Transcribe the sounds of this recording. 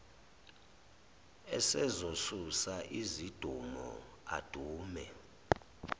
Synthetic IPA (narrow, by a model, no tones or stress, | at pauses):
ɛsɛzosusaʔizid̥ʱumɔ̰ | a̰d̥ʱuːmɛ̰